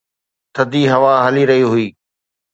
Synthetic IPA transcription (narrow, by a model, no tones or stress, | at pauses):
t̪ʰəd̪iɦɐʋaɦəliɾɐɦiɦʊiː